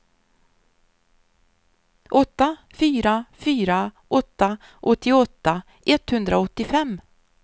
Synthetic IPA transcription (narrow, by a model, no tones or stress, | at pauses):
ʔɔt̪ːa | fyːɾafyːɾaʔɔt̪ːaʔɔt̪ːɪɔt̪ːa | ʔɛt̪ːhɵnd̪ɾaɔt̪ːɪfɛmː